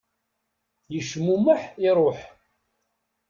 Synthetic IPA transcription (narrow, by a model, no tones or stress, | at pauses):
jəʃmuməħiɾˤoħ